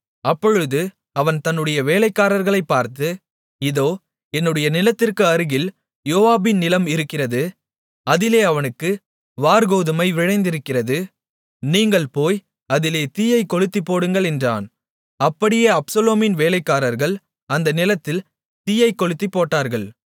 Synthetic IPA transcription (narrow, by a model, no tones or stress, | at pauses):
ɐpːɔɻɯðɯ | ɐʋɐnt̪ɐnːɯɽɐjɐʋeːlɐɪkːaːɾɐɾɣɐɭɐɪpːaːɾt̪ɯ | ɪðoː | ɛnːɯɽɐjɐnɪlɐt̪ːɪrkɯɐɾɯɣɪl | joːʋaːbɪnnɪlɐmɪɾɯkːɪrɐðɯ | ɐðɪleːɐʋɐnɯkːɯ | ʋaːɾɣoːðɯmɐɪʋɪɻɐɪnd̪ɪɾɯkːɪrɐðɯ | niːŋɡɐɭpoːj | ɐðɪleːt̪iːjɐɪkːɔɻɯt̪ːipːoːɽɯŋɡɐɭɛndra̰ːn | ɐpːɐɽɪjeːɐpsɐloːmɪnʋeːlɐɪkːaːɾɐɾɣɐɭ | ɐnd̪ɐnɪlɐt̪ːɪl | t̪ijɐɪkːɔɻɯt̪ːipːoːʈːaːɾɣɐɭ